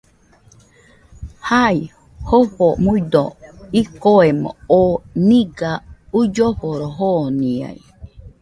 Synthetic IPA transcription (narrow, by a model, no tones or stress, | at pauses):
hai | hoɸomud̪oikoemo̰oniɡaud͡ʒoɸoɾoɦonia̰ḭ